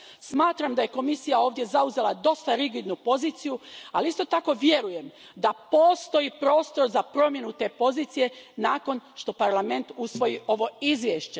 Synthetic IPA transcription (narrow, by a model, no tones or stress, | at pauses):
smaːt̪ɾamd̪aje̞ko̞misijao̞ːʋd̪je̞zauze̞lad̪o̞st̪aɾiɡid̪nupo̞ziːt̪sijualiist̪ot̪ako̞ʋje̞ɾuje̞m | d̪apo̞ːst̪o̞jipɾo̞ːst̪o̞ɾzapɾo̞mje̞nut̪e̞po̞ziːt̪sije̞naːko̞nʃt̪o̞paɾlˠame̞nt̪usʋo̞jiʔo̞ʋo̞izʋjeʃt͡ɕe̞